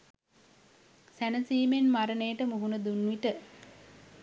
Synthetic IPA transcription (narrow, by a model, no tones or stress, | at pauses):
sænəsiːmenmaɾənəjəʈəmuɦunəd̪unʋiʈə